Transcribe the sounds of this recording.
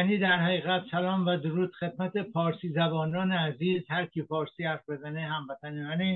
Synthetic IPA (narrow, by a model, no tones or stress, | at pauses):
niːd̪æɾhæɣiːɣæt̪sælɒːmvæd̪oɾuːd̪̥xe̞d̪mæt̪ʰepɒːɾsiːzæbɒːnɒːneæziːzhæɾcʰiːpɒːɾsiːhæɾfbe̞zæneɦæmvæt̪ʰænejæni